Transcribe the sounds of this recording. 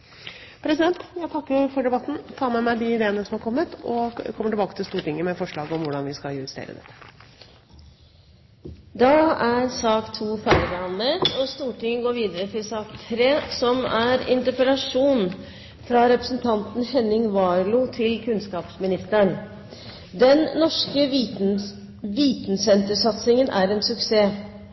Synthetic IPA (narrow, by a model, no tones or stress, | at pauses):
pʰɾɛsɪd̪ɛnt̪jæɪt̪ʰɑkːəfɔɖɛbɑt̪ːn̩t̪ʰɑːmɛmæɪd̪ɪɪd̪eːənəsɔmhɑɾkʰɔmːət̪ɔkʰɔmːəʈɪbɑːkət̪ʰɪst̪uːʈɪŋːəmɛfɔʂɭɑːɡɔmʋʊɖɑnʋɪskɑjʉst̪ḛːɾə̰d̪ɛ̰t̪ːə̥ | d̪ɑæɾsɑːkt̪ʰuːfæɾəbɛɑnlət̪ɔst̪uːʈɪŋːəɡoːɾʋiːd̪əɾət̪ʰɪsɑːkt̪ʰɾeːsɔmæɾɪ̰nt̪əɾpəlɑʂuːn | fɾɑɾɛpɾə̥sn̩t̪ʰɑnt̪n̩hɛnɪŋʋɑːɾlʊt̪ʰɪlkʰʉnskɑːpsmɪnɪst̪əɳ | d̪ɛnːɔʂkə | ʋiːt̪nsɛnt̪əʂɑt̪sɪŋənʔæ̰ɾɛːnsʉkseː